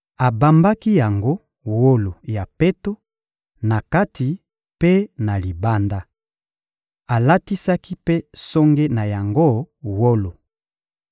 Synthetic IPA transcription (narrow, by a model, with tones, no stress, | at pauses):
a˨ba˨mba˦ki˦ja˨ŋɡo˦ | wo˦lo˨ja˨pe˦to˦ | na˨ka˦tʰi˨ | pe˦na˨li˨ba˦nda˦ | a˨la˦ti˦sa˦ki˦pe˦so˦ŋɡe˦na˨ja˨ŋɡo˦˨wo˦lo˨